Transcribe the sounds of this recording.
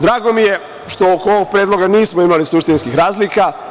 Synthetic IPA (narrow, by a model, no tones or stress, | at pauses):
d̪ɾaːɡo̞mije̞ | ʃt̪ookoʋoɡ̚pɾeːd̪lˠo̞ɡaniːsmoimalisuʃt̪inskixɾaːzlika